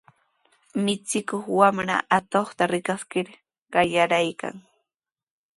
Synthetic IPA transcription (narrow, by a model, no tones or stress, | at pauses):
mɪt͡sɪkoχwamɾa̰ʔat̪oχt̪aɾɪkaskɪɾ | ɢ̥ɑjaɾajka̰ŋ